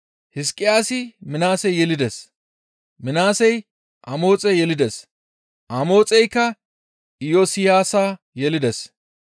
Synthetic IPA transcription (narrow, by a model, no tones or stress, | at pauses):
hɪs̬kʼːɪjaːsɪmɪnaːsɛjːɛlɪd̪ɛs | mɪnaːsɛj | ʔɐmo̞ːt͡sʼɛjɛlɪd̪ɛs | ʔɐmo̞ːt͡sʼɛjkːɐ | ɪjoːsɪjaːsaː | jɛlɪd̪ɛs